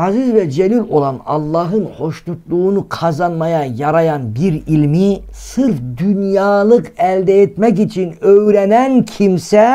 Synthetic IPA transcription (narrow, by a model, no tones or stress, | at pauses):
ɑzizvɛd͡ʒɛlilʲo̞lˠɑnɑ̰lˠːɑɦɯnho̞ʃlˠut̪lˠuːnuqʰɑzɑnmɑjɑjɑɾɑjɑnbiɾilʲmi | sɯɾfd̪ynjɑːlˠɯqɛlʲd̪ɛet̪mɛk̬it͡ʃʰinøjɾɛnænkʰimsɛ